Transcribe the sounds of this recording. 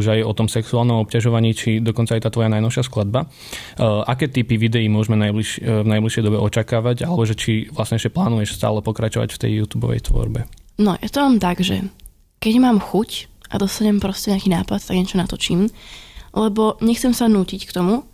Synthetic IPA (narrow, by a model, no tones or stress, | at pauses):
uʒajɔt̪ɔmsɛksuaːlˠnɔmɔp̚caʒɔʋaɲiːt͡ʃid̪ɔkɔnt͡sajɛt̪aːt̪ʋɔjanajnɔʊʃɪasklad̪̚ba | ʔakɛːt̪ipiʋid̪ɛimʊɔʒmɛnajbliʃvnajbliʃɪɛjd̪ɔbɛʔɔt͡ʃakaːʋaɟalɛbɔʒɛt͡ʃiʋlasɲɛɛʃcɛplaːnujɛʃst̪a̰ːlɛpɔkɾat͡ʃɔʋa̰cft̪ɛ̰jːuːt̪uːbɔ̰ʋɛ̰jt̪ʋɔ̰ɾbɛnɔja̰t̪ɔmaːmt̪aɡʒɛ̰ | kɛɟmaːmxuc | ʔad̪ɔst̪aɲɛmpɾɔscɛɲɛakiːnaːpat̪t̪aɡɲɲɛt͡ʃɔnat̪ɔt͡ʃiːm | lɛbɔɲɛxt͡sɛmsanuːcickt̪ɔmu